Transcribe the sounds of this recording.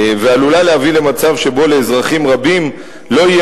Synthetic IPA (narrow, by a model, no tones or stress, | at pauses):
vealulaleavile̞mat͡savʃe̞bo̞le̞ːzʁaχimʁabim | lo̞ije